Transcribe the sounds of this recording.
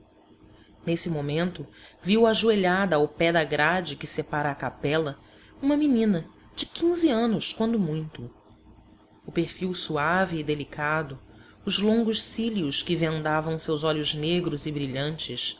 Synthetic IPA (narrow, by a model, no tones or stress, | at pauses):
nesɪmomẽnt̪ʊviwaʒueʎad̪ɐːwpɛd̪ɐɡɾad͡ʒɪkɪsepaɾaːkapɛlɐ | ũmɐminĩnɐ | d͡ʒɪkʰĩŋziɐ̃nʊʃkwɐ̃nd̪ʊmũj̃t̪ʊ | ʊpeɾfiwsuaviːd̪elikʰad̪ʊ | ʊzlõŋɡʊʃsiliʊskɪvẽnd̪avɐ̃w̃sewzɔʎʊʒneɡɾʊzɪbɾiʎɐ̃nt͡ʃɪʃ